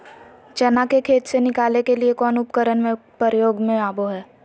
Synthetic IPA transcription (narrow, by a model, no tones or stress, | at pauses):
d͡ʒɐnakekʰeːt̪senɪkaːlekeliekɔːnʊpkəɾənmẽpəɾjoːɡmẽaːboɦɛː